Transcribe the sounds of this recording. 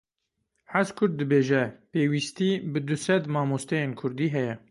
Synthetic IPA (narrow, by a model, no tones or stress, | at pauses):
ħazkʰʊɾd̪̚ːɨbeːʒɛpeːwiːst̪iːbɨd̪ʊsɛd̪mɑːmoːst̪ɛjeːnkʰʊɾd̪iːɦɛjɛ